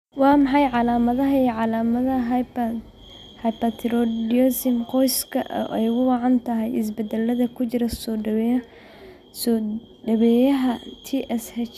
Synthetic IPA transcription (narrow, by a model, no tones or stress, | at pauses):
wɑːmɑħɑjʕɑlaːmɐðɐɦɐʕɑlamɐðɐɦ | hɐjpɐt̪ʰɾɔdiɔsɪmqɔjskʰɐ̰ʔʔɛjɣʊwɑʕɑnt̪ʰɐɦɛjɪs̬bɛd̪ɛlːɐðɐkʰʊt͡ʃɪɾɐsɔ | ɖɐβɛjɐɦɐt̪ʰiʔɛshɛt͡ʃ